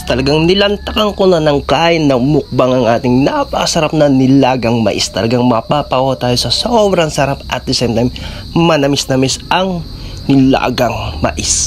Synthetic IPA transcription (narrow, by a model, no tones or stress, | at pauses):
t̪ɐlɐɡaŋnɪlɐnt̪ɐkɐŋkonɐnɐŋkaːʔɪnːɐŋmʊk̚baŋɐŋʔaːt̪ɪŋnapɐkɐsɐɾap̚nɐnɪlaːɡɐŋmɐ̰ʔḭst̪ɐlɐɡaŋmɐpapɐʔohɐt̪aːjo̞sɐsobɾɐŋsɐɾapʔɐt̪̚ːɪsɛmt̪ɐjm | mɐnɐmɪsnɐmɪsɐŋ | nɪla̰ːɡɐŋmɐ̰ʔɪs